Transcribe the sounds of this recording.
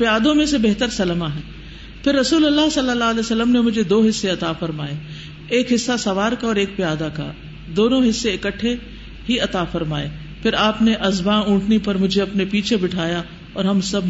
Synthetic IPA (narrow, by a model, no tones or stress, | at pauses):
pɪjaːd̪õmẽsebeɦt̪əɾsɐlmaɦɛː | fɪɾːɐsuːlɐlːaɦsɐlːəlːaːlɛːsəlːəmnemʊd͡ʒʱed̪oːɦɪsːeɐt̪afɐɾmaːeː | eːkɦɪsːasɐʋaːɾkaɔːɾeːk̚pɪjaːd̪aka̰ | d̪oːnõɦɪsːeɪkəʈʰːe | ɦiɐt̪aːfɐɾmaːeː | pɪɾaːpneʔɐzbãːũːʈʰnipɐɾmʊd͡ʒʱeɐpnepiːt͡ʃʰebɪʈʰaːja | ɔːɾɦɐmsɐb̚